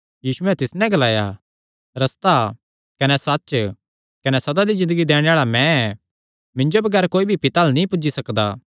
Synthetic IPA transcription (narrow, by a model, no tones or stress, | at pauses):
jiːsuɛ̃t̪ɪsnɛ̃ɡɐlaːja | ɾɐst̪a | kɐnɛsɐtːʃ | kɐnɛsɐd̪ad̪izɪ̃nd̪əɡid̪eːɽ̃eaːɭamɛ̃ɛ | mɪ̃ɲd͡ʒobɐɡɛːɾkoːibʱipɪt̪aːlnĩpʊd͡ʒisɐkd̪a̰ː